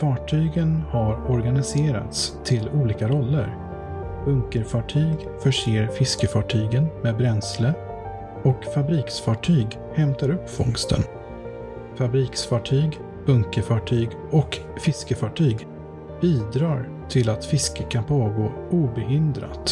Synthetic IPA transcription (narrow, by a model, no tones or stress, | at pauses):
fɑːʈʰyːɡənhaɾɔɾɡanɪseːɾa̰t̪st̪ʰɪluːliːkaɾɔlːə̰ɾ | b̥ɵŋkəɾfɑʈʰyːɡ | fœʂeːɾfɪskəfɑʈʰyːɡənmeːbɾɛnslə | ɔkfabɾiːksfɑʈʰyːɡ | hɛmt̪aɾɵpːfɔŋst̪ʰə̰n | fabɾiːksfɑːʈʰyːɡ | b̥ɵŋkəfɑʈʰyːɡ | ɔk | fɪskəfɑʈʰyːɡ | b̥iːd̪ɾɑːɾ | t̪ʰɪlat̪fɪskəkʰanpʰoːɡoː | uːbɛɦɪnd̪ɾa̰t̪